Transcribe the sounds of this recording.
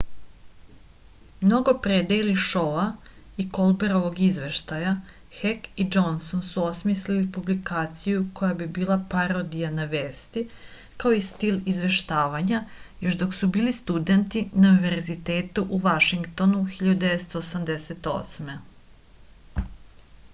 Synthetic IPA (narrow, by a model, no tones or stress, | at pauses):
mno̞ɡo̞pɾed̪ajiliʃo̞a | iko̞lˠbeɾoʋo̞ɡizʋe̞ʃt̪aja | xekid͡ʒo̞nsonsuo̞smislilipublikaːt̪sijuko̞jabibiːlˠapaɾod̪ijanaʋeːst̪i | kao̞ist̪ilizʋe̞ʃt̪aːʋaɲajo̞ʃd̪o̞ksubiːlist̪ud̪e̞nt̪inauniʋe̞ɾzit̪e̞ːt̪uʔuʋaʃiŋɡt̪o̞nuxiʎad̪ud̪eet̪st̪o̞ːsamd̪eset̪o̞̰sme